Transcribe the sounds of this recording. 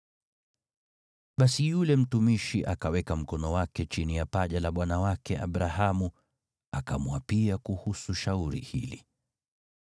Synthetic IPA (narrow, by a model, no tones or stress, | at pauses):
ɓasijulɛm̩tumiʃiʔakawɛkam̩kɔnɔwakɛt͡ʃinijapaʄalaɓwanawakɛʔa̰ɓɾahamu | akamwapiakuhusuʃauɾḭhḭlḭ